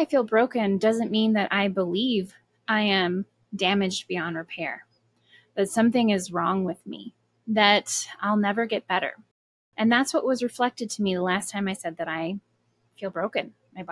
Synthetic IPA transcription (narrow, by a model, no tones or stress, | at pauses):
ɪfilˠbɹoʊkɨ̃ndʌzɨ̃nmĩnðɨɾʔaɪbəliv | ʔaɪɨ̃m | dæmɨd͡ʒbiɑ̃ndɹɨpʰɛɹ | b̥ʌtsʌ̃mθɪ̃ŋɪzɹɔ̃ŋwɪðmḭ | ðɨɾaɪlˠnɛvə˞ɡɛt̚b̥ɛɾə̰˞ | ʔɨ̃nðætswʌʔ̚wʔʌzɹɨflɛk̚tɨd̚tʰɨmiðəlæstʰãɪ̃maɪsɛd̪̚ðɨɾaɪ | filˠbɹoʊkɨ̃n | maɪ